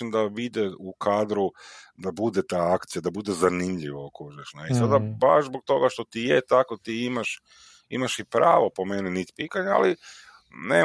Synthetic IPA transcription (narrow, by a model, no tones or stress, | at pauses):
ind̪aʋid̪eukʰaːd̪ɾud̪abud̪et̪aːakt̪sijad̪abud̪ezanimʎiʋaokɾuʒeʃneisad̪abaʃzbok̚t̪o̞ɡaʃt̪o̞t̪ijet̪ako̞t̪iimaʃ | ḭmaʃipɾaːʋo̞po̞meninit̪i̥pit̪aɲea̰li | nḛː